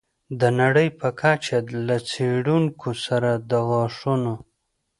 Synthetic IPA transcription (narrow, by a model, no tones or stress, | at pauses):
d̪ənaɽəjpʰəkʰat͡ʃalat͡seɽuŋkʰosaɾad̪əɣɑʂuno